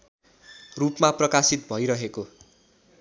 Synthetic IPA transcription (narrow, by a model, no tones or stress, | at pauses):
rupmaprʌkasit̪̚bʱʌjɾʌɦeko